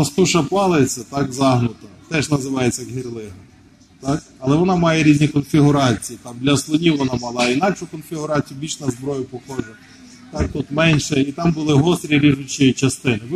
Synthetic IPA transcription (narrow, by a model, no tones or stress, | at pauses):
ɐst̪uʃɐpɑlˠet͡sʲːɐt̪ɑkzɑɦnʊt̪ɐt̪ɛʒnɐzɪʋɑjet͡sʲːɐɦʲirlˠɪɦɐ | t̪ɑk | ɐlˠɛʋɔnɑmɑjɛɾʲizʲnʲikɔnfʲiɦʊɾɑt͡sʲijit̪ɑmd̪lʲɐslˠɔnʲiwʋɔnɑmɑlˠɑinɑkʃʊkɔnfʲiɦʊɾɑt͡sʲijʊbʲilʲʃnɐzbɾɔjʊpɔxɔʒɛ | t̪ɑk̚t̪ut̪mɛnʲʃɛit̪ɑmbʊlˠɪɦɔst̪ɾʲiɾʲiʒʊt͡ʃit͡ʃɐst̪ɪnɪʋ